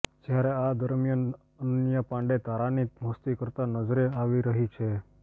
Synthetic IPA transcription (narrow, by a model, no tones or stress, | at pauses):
d͡ʒjaɾead̪əɾmjan | ənənjapãɳɖet̪aɾaniməst̪ikəɾt̪anəd͡ʒɾeaʋiɾəɦit͡ʃʰe